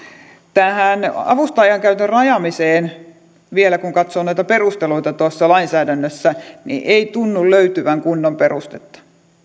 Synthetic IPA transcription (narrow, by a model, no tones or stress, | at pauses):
t̪æːhænɑ̰ʋust̪ɑjɑŋkæyt̪ørɑjɑmiseːn | ʋielækuŋkɑt̪soːnoit̪ɑperust̪eluit̪ɑt̪uɑsːɑlɑinsæːdænːøsːænḭʔeit̪unːulløyt̪yʋæŋkunːomperust̪et̪ːɑ̥